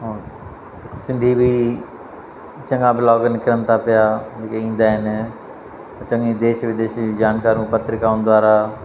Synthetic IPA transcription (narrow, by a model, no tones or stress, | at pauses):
ɦo | sɪ̃nd̪ʱibʱi | t͡ʃɐ̃ŋɡabɪlaːɡnɪkɪɾənt̪ʰapɪjad͡ʒeːkeĩːnd̪aɦɪn | t͡ʃɐ̃ŋid̪eːʃbɪd̪eːʃd͡ʒaːnkaːɾũpət̪ɾɪkaːʊnd̪waːɾa